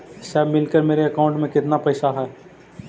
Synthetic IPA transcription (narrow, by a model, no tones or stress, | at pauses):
sɛːbmːɪlkəɾmeːɾeɐkaːʊ̃ɳʈmẽkɪt̪napɛːsaɦɛː